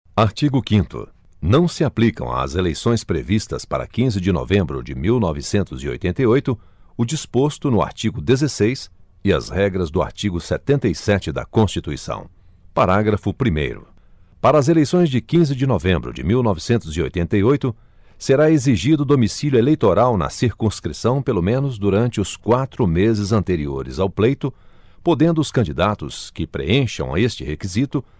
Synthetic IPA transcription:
aɾt͡ʃiɡʊkĩnt̪ʊ̰ | nɐ̃w̃sɪaplikɐ̰̃w̃ɐ̰ːzelejsõj̃spɾḛvist̪ɐspaɾɐ̰kĩzɪd͡ʒɪno̰vẽmbɾʊ̰d͡ʒɪmiwnɔvɪsẽnt̪ʊzio̰jt̪ẽnt̪ɐjojt̪ʊ | ʊd͡ʒispost̪ʊnʊa̰ɾt͡ʃiɡʊd̪ezesejs | ɪɐ̰zhɛɡɾɐzd̪ʊa̰ɾt͡ʃiɡʊsɛt̪ẽnt̪ɐjsɛt͡ʃɪd̪ɐ̰kõst͡ʃit̪uisɐ̰̃w̃ | paɾaɡɾɐfʊpɾimḛjɾʊ̰ | paɾɐːzelejsõj̃zd͡ʒɪkĩzɪd͡ʒɪnovẽmbɾʊ̰d͡ʒɪ̰miwnɔvɪsẽnt̪ʊzio̰jt̪ẽnt̪ɐjojt̪ʊ | seɾaeziʒid̪ʊd̪omisiljʊelejt̪oɾawnɐ̰siɾkũskɾisɐ̃w̃pelomẽnʊzd̪uɾɐ̃nt͡ʃɪʊskwat̪ɾʊmezɪzɐ̃nt̪eɾioɾɪ̰zawplejt̪ʊ | pod̪ẽnd̪ʊːskɐ̃nd͡ʒid̪at̪ʊskɪpɾḛẽʃɐ̰̃w̃ɐ̰est͡ʃɪhekizit̪ʊ

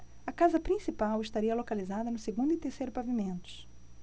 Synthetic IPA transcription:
ɐkazɐpɾĩsipawɪʃt̪aɾiɐlokalizad̪ɐnʊseɡũnd̪ʊit̪eɾsejɾʊpavimẽnt̪ʊ̥s

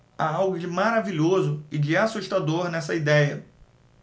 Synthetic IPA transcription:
aawɡʊd͡ʒɪmaɾaviʎozʊɪd͡ʒɪasuʃt̪ad̪oɾnɛsɐid̪ɛjɐ

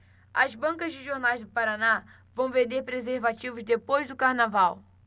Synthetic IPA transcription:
ɐzbɐ̃ŋkɐzd͡ʒɪʒoɾnajzd̪ʊpaɾana | vɐ̃w̃vẽnd̪eɾpɾezeɾvat͡ʃivʊzd̪epojzd̪ʊkaɾnavaw

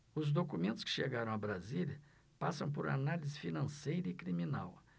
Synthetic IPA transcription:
ʊzd̪okumẽnt̪ʊ̥skɪ̥ʃeɡaɾɐ̃w̃ɐbɾaziljɐ | pasɐ̃w̃poɾa̰nalizɪfinɐ̃sejɾɐɪkɾimina̰w

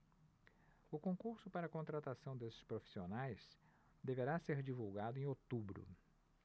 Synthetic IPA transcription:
ʊkõkuɾsʊpaɾɐːkõnt̪ɾat̪asɐ̃w̃d̪esɪ̥spɾofi̥sionajs | d̪eveɾaseɾd͡ʒivuwɡad̪ʊẽot̪ubɾʊ̰

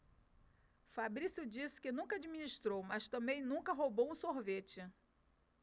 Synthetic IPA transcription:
fabɾisud͡ʒisɪ̥kɪnũŋkɐad͡ʒiminiʃt̪ɾowmɐst̪ɐ̃mbẽj̃nũkɐɦobowũsoɦvet͡ʃɪ

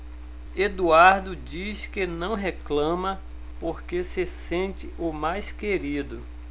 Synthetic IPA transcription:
ed̪uaɾd̪ʊd͡ʒiskɪnɐ̃w̃ɦeklɐ̃mɐ | poɾkesɪsẽnt͡ʃɪʔʊmajskeɾid̪ʊ

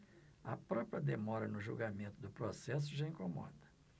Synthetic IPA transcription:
ɐpɾɔpɾiɐd̪emɔɾɐnʊʒṵwɡamẽnt̪ʊd̪ʊpɾosɛs̬ʊʒaĩkomɔ̰d̪ɐ̥

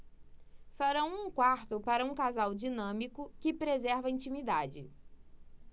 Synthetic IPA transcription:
faɾɐ̃w̃ũkwaɾt̪ʊpaɾɐũkazawd͡ʒinɐ̃mikʊkɪpɾezɛɾvɐĩnt͡ʃimid̪ad͡ʒɪ

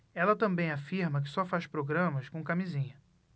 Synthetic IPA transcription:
ɛlɐt̪ɐ̃mbẽj̃afiɾmɐk̬ɪ̥sɔfaʃpɾoɡɾɐ̃mɐskõkamizĩɲɐ

